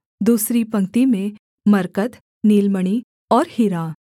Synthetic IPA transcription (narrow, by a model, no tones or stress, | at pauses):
d̪uːsɾipɐ̃ŋkt̪imẽ | mɐɾkət̪ | niːlməɽ̃i | ɔːɾhiɾa